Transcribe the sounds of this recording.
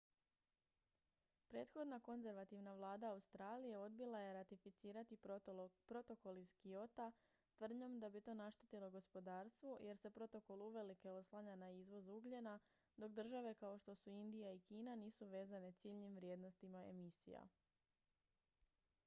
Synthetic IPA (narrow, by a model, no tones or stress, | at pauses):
pɾe̞ːt̪xo̞d̪nako̞nze̞ɾʋat̪iʋnaʋlˠaːd̪aːust̪ɾaːlije̞o̞d̪bilˠaje̞ɾat̪ifit̪siːɾat̪ipɾo̞t̪o̞ko̞lizkio̞t̪a | t̪ʋr̩d̪ɲo̞md̪abit̪o̞ːnaʃt̪et̪ilˠo̞ɡo̞spo̞d̪aːɾst̪ʋojʔe̞ɾse̞pɾo̞t̪o̞ko̞lˠuʋe̞like̞o̞slˠaɲanaizʋo̞zuɡʎena | d̪o̞kd̪r̩ʒaʋe̞kao̞ʃt̪o̞suind̪ijaikiːnaniːsuʋe̞ːzane̞t̪siːʎɲimʋɾʲjed̪no̞st̪imae̞̰misḭja̰